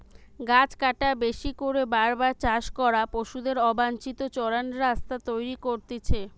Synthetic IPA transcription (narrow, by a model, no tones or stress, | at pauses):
ɡat͡ɕkaʈabeʃikoɾebaɾbaɾt͡ɕaʃkɔɾapoʃud̪eɾɔbant͡ɕit̪ot͡ɕɔɾanɾast̪at̪ojɾikoɾt̪et͡ɕʰe